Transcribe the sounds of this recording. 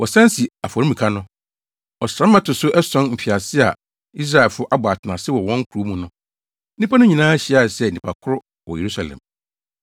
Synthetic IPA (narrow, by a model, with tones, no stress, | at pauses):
wɔ˨sã˦n˦si˨a˨fɔ˨i˦mĩ˨kʰa˦nʊ̃˦ | ɔ˨sã˦mːã˦tʰʊ˨sʊ˦ʔɛ˦sɔ̃˦nm̩˨fi˨a˨sɪ˦a̰˨ | i˦s̬ɾa˨lfʊ˦ʔa˦bʊ˨a˨tʰɪ˨nã˨sɪ˦wɔ˨wɔ̃˦ŋ̩˦kʰu˨u˦mũ˨nʊ̃˦ | nĩ˦pʰa˦nʊ̃˦ɲĩ˨nãː˦ɕi˦a˨sɛ˦˨nĩ˨pʰa˨kʰʊ˦ɾʊ˦ | wɔ̰˨je˨ɾu˦sa˨lɛ̰̃˨m